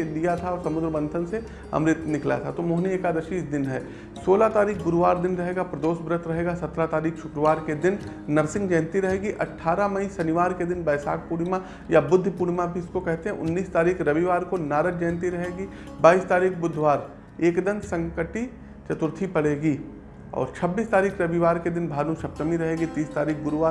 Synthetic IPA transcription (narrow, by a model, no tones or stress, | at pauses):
lijat̪ʰaɔːɾsɐmʊd̪ɾəbə̃nd̪ʱənse | ɐ̰̃mɾɪt̪nɪkla̰t̪ʰat̪omõɦneeːkad̪ɐʃiːsd̪ɪnɦɛː | soːlat̪aːɾiːk̚ʰɡʊɾʋaːɾd̪ɪnɾɐɦeːɡapɾɐd̪oːsbɾət̪ʰɾɐɦeːɡasɐt̪ɾat̪aːɾiːkʰʃʊkɾəʋaːɾked̪ɪn | nɐɾsɪ̃ŋɡd͡ʒɛ̃ːnt̪iɾɐɦeːɡiʔɐʈʰːaːɾamɐisɐnɪʋaːɾked̪ɪnbɛːsa̰ːk̚puːɽmã | jabʊd̪ʱːpuːɽmãbʱiɪskokɛɦt̪eɦɛ̃ʔʊ̰nːiːst̪aːɾiːkʰɾɐʋiʋaːɾkonaːɾət̚d͡ʒɛ̃ːnt̪iɾɐɦeːɡi | baːiːst̪aːɾiːkʰbʊd̪ʱʋaːɾ | eːkd̪ənsɐ̃ŋkəʈi | t͡ʃɐt̪ʊɾt̪ʰipɐɽeːɡiː | ɔ̰ːɾt͡ʃʰɐbːiːst̪aːɾiːkʰɾɐʋiʋaːɾked̪ɪnbʱaːlũʃɐp̚t̪əmiɾɐɦeːɡit̪iːst̪aːɾiːkʰɡʊɾʋaː